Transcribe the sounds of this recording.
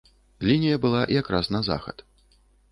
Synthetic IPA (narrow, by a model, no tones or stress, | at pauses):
lʲinʲijɐbɨlˠaʔjakɾasnɐza̰xɐ̰t̪